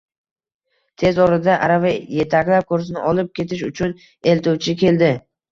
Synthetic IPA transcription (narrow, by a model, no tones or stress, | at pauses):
t̪ʰe̞zɒɾɪd̪aʔaɾavaje̞t̪ʰakʲlap̚koɾs̬ɪnɪʔɒlɪp̚kʲe̞t̪ɪʃʊt͡ʃʰʊn | e̞lt̪uwt͡ʃʰɪkʲe̞ld̪ɪ